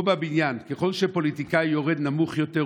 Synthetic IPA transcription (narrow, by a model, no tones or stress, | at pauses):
babinjankeχo̞lʃepo̞lit̪ikajoʁed̪namuχjot̪e